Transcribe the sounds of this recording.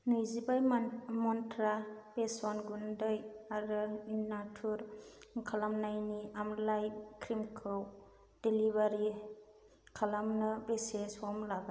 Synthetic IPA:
nɯjzibajmɔntʰɾabesɔnɡundɯjaɾɯinːatʰuɾkʰalamnajniamlajkʰɾimkʰɯw | d̥elibaɾi | kʰalamnɯbesesɔmlaɡa

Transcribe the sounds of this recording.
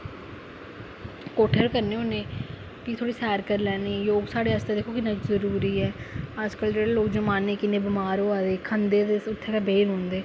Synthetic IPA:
koːʈʰəɾkəɾneːʊnẽː | kit̪ʰoːɽiːsɛːɾkəɾlɛːniːɛjoːɡsaːɽeːəst̪eːd̪eːkʰoːkɪnãːt͡ʃzəɾuːɾiːɛːəd͡ʒkəld͡ʒeːɽeːloːkd͡ʒəmaːneːkɪnːeːbɪmaːɾoːaːd̪eːkʰənd̪eːd̪eːʊt̪ʰːeːkɛːbeːɾɦõːnd̪eː

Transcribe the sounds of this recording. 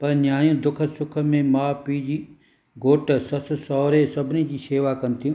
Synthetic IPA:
pɐɾnjaːijũːd̪ʊkʰəsʊkʰə̆mẽmaːpiːd͡ʑiː | ɡoːʈsɐssɔːɾesɐbʱɪnid͡ʑiːseːʋakɐnɪ̆t̪ʰijũː

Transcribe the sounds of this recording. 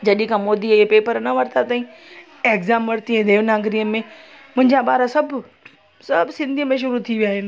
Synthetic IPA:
d͡ʑɐɗĩkʰãmoːd̪iepeːpəɾnɐʋɐɾt̪ʰat̪aːĩ | eːkzaːmʋɐɾt̪iɛ̃d̪eːʋnaːɡɾijəmẽ | mʊ̃ɦɪ̃ɲd͡ʑãɓaːɾasɐbʱ | sɐbʱsɪ̃nd̪ʱiəmẽʃ̬ʊɾut̪ʰiʋijaːɦɪnɪ̆

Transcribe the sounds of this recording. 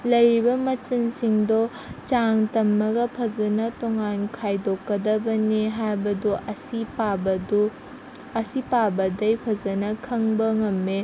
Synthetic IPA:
lɐjɾibɐmɐt͡ʃinsiŋdɔ | t͡ʃaŋtɐmːɐɡɐpʰɐzɐnɐtoŋankʰajdokːɐdɐbɐniɦajbɐduʔɐsipabɐdu | ɐsipabɐdɐjpʰɐzɐnɐkʰɐŋbɐŋɐmːe

